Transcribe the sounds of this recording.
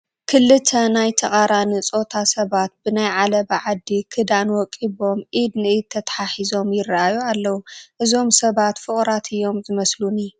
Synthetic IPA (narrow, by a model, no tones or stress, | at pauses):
kʰɨlːɨt̪ʰːɐnajt̪ʰɐkʼaɾanɨt͡sʼo̞t̪ʰasɐβat̪̚bɨnajʕalɐbʕad̪ːikʰɨd̪anwɔkʼiβo̞mʔid̪nɨʔid̪̚t̪ʰːɐt̪ʰħaħizo̞mjɪraʔajualːɐwuʔɨzo̞msɐβat̪fɨχʼɾat̪ʰɨjːo̞mzɨmɐsluni